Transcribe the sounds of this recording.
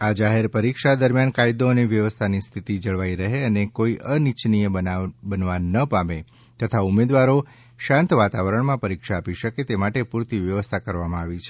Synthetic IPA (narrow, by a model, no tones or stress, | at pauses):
ad͡ʒaɦeɾpəɾikʃad̪əɾmjankajd̪oəneʋjəʋəst̪ʰanist̪ʰit̪id͡ʒəɭʋaiɾəɦeənekoiʔənit͡ʃnijeəabənʋanəpame | t̪ət̪ʰaumed̪ʋaɾo | ʃãnt̪ʋat̪aʋəɾəɳ̃mãpəɾikʃaːpiʃəket̪emaʈepuɾt̪iʋjəʋəst̪ʰakəɾʋamãaʋit͡ʃʰe